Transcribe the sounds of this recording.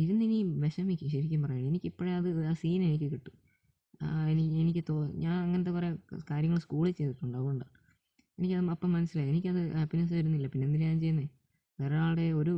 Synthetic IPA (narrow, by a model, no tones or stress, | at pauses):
iɾunːiniʋe̞ɕɐmikʲːuɕɐɾikʲːumpɐrɐjːaːɳe̞nikʲːipːoɻeɐðɨaːsiːne̞nikʲːɨkiʈːu̥̰ | enienikʲːɨt̪oːɲaːnɐŋːɐnɐt̪̬ːepore̞kaːɾjɐŋːɐɭɨskuːɭit͡ɕe̞jt̪iʈːuɳɖaɣuuɳɖa | e̞nikʲːɐðɨɐpːomɐnɐsilaːjenikʲːɐðɨɐpːinɐs̬ʋɐɾunːilːɐpinːendinɲaːnt͡ɕe̞jːunɐe | ʋeːɾɐaːɭɽe̞o̞ɾu